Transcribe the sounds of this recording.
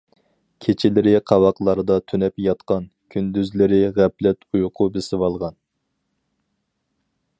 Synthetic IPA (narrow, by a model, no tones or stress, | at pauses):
kʲʰet͡ʃʰɪlɪɾɪqʰɑwɑqlˠɑɾɨd̪ɑt̪ʰynɛpjɑt̪qɑn | kʲʰynd̪yzlɪɾɪʁæplɛt̪ujqʰʊbesɪwɑlˠʁɑn